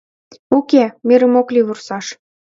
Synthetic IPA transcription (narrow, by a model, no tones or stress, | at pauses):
ukemeɾə̆moklʲiβursɑʃ